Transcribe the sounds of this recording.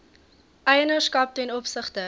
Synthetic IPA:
ʔɛjənəskɐp̚tɛnɔpsəχtə

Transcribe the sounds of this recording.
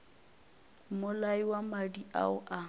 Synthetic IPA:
mʊlaiwamadiʔa̰ʊʔa

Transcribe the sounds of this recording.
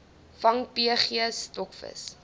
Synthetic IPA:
fɐŋpiəχiəstɔkfə̰s

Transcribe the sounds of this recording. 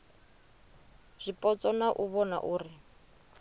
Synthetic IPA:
z̥ʷipʼɔt͡sʼɔnaʔuβɔna̰ʔuːri

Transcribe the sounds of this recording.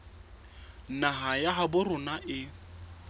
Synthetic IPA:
naɦajaɦabʊrʊnaʔɪ

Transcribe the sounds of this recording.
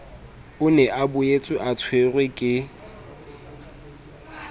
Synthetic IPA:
ʊnɛʔabʊet͡sʼʊʔat͡sʰwerwekʼɪ

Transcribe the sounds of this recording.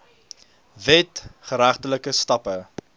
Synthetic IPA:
vɛtχəɾæχtələkəstɐpə

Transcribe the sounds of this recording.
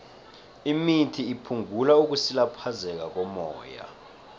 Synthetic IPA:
imitʰiːpʰuŋɡʱulauk̬usilapʰazɛk̬ʼak̬ʼɔmɔ̰ːja̰

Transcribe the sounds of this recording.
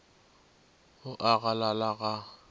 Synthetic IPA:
hʊʔaɣalalaɣa

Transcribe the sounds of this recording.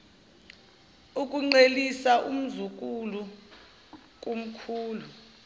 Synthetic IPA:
uk̬ʼuŋ͡ǀelisaʔum̩zuk̬ʼulu | k̬ʼum̩kʰuːlu

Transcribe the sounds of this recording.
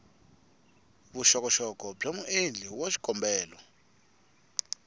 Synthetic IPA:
βuʃɔkɔʃɔkɔb͡ʐʱomuʔend͡ɮʱiwaʃi̥ɡ̥ʱɔmbɛːlɔ

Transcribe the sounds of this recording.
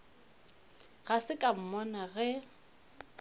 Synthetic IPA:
ɣasɪkʼam̩mɔnaɣɛ

